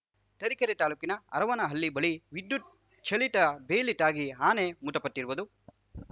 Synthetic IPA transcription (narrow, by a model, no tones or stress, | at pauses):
ʈ̪ɐɾikɐɾit̪aːluːkinɐɐ̰ɾɐʋɐnɐɦɐlːibɐɭiʋid̪ːu | t͡ʃɐɭiʈ̪ɐbeːliʈ̪aːɡiɦaːnemuʈ̪ɐpɐt̪ːiɾuʋud̪u